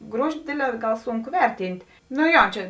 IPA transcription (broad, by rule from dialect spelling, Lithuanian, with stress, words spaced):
ˈɡruɔʒʲɪ ˈdʲeːdʲˌlʲɛː ˈɡɐlˠ ˈsʊŋˌkʊ ˈʋʲɛrʲˌtʲiːnʲtʲ nʊ ˈjoː ˈt͡ʃʲɛ